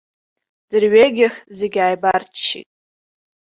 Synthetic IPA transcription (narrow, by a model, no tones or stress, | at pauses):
d̥ɨrɥeɡʲɪχzeɡʲajbartʰʃḭtʼ